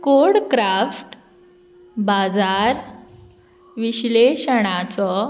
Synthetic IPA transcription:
koɾɽkɾafʈ | bad͡zaɾ | ʋiɕleɕəɽ̃at͡sɔ

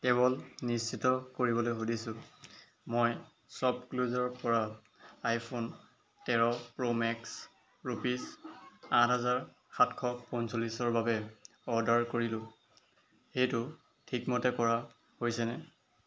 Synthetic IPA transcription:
kɛβɔlnist͡ʃitɔkoɹibɔlojxodisʊ̃ | moj | sɔb̚kluzɔɹpɔɹa | ajpʰon | tɛɹɔpɹomɛks | ɹupisãtɦazaɹ | xatkʰɔpɔnsolisɔɹbabɛ | ɔdaɹkoɹilʊ̃ | xejtʊ | tʰikmɔtɛkɔɹa | hojsɛnɛ

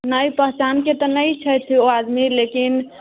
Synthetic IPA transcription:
nəjpəɦt͡ʃanket̪ənəjt͡ʃʰəjt̪ʰːioad̪milekin

